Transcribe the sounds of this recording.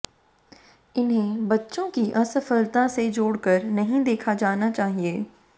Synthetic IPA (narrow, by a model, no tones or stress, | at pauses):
ɪnɦẽbɐtːʃõkiʔɐsəfəlt̪ãsed͡ʒoːɽkəɾnɐɦĩd̪eːkʰad͡ʒaːnat͡ʃaːɦieː